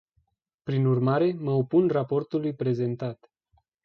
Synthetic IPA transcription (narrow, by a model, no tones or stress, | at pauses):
pɾinurmaɾe̞məopunrapo̞rt̪ulujpɾe̞ze̞nt̪at̪